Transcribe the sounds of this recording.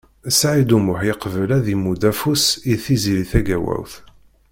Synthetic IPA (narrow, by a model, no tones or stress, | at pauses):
sʕid̪umʊħjəqvəlæðimud̪æfusiθiziliθæɡæwæ̰wθ